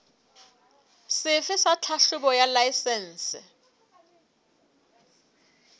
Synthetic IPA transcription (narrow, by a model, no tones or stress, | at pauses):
sɪfɪsat͡ɬʰaʃʊbɔjalajsɛn̩ːsɪ̰